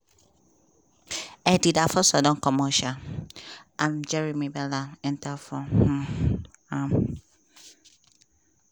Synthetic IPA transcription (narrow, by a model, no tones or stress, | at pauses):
ɛdidafɔsɔdɔ̃ŋkɔmɔʃa | ãmd͡ʒɛɹimibɛlaɛ̃ntafɔh̩ | am